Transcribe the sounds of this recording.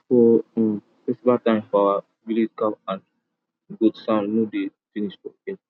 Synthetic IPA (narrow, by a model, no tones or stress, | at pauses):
fɔ | fɛsibatãɪ̃mfawa | vilid͡ʒkapãn | ɡudsãʊ̃ndnudefiniʃfɔɛ